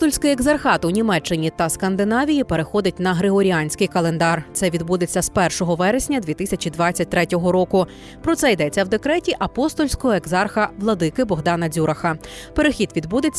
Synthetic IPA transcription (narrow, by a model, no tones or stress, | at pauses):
st̪ɔlʲsʲkɪjeɡzɐrxɑt̪ʊnʲimɛt͡ʃːɪnʲit̪ɐskɐnd̪ɪnɑʋʲijipe̞ɾexɔd̪ʲɐt̚ʲnɐɦɾeɦɔɾʲianʲsʲkɪjkɐlˠe̞nd̪ɑrt̪sɛʋʲid̪bud̪et͡sʲːɐspɛrʃɔɦɔʋɛɾesʲnʲɐd̪ʋʲit̪ɪsʲɐt͡ʃʲid̪ʋɑt͡sʲːɐt̚ʲt̪ɾɛtʲɔɦɔɾɔkʊ | pɾɔt̪sɛjd̪ɛt͡sʲːɐwd̪e̞kɾɛtʲiʔɐpɔst̪ɔlʲsʲkɔɦɔeɡzɑrxɐʋlˠɔd̪ɪkɪbɔɦd̪ɑnɐdzʲuɾɐxɐpeɾexʲid̪ʋʲid̪bud̪et͡sʲ